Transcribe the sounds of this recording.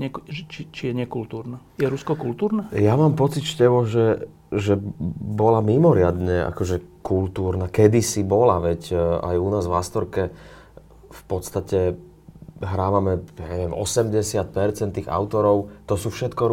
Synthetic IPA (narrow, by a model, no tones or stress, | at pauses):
ɲɛt͡ʃit͡ʃijɛɲɪɛkult̪uːɾnajɛɾuskɔkult̪uːɾnɛjamaːmpɔt͡sicʃcɛbɔʒɛ | ʒɛbɔlamimɔɾɪad̪ɲɛʔa̰kɔʒɛkult̪uːɾnakɛd̪isibɔlaʋɛca̰junaːzʋa̰st̪ɔɾkɛ | fpɔt̪st̪acɛ | ɦɾaːʋamɛjaɲɛʋɛmʔɔ̰sɛmɟɛsɪat̪̚pɛɾt͡sɛnt̪ːiːɣa̰ʊt̪ɔɾɔʊt̪ɔsuːfʃɛt̪kɔ